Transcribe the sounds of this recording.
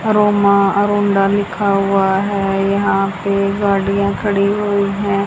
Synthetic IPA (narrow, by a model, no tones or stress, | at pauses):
ɾoːmãɾõːɳɖalɪkʰaɦʊaɦɛːjɐɦãpeɡaːɽijãkʰɐɽiɦoːiɦɛ̃ː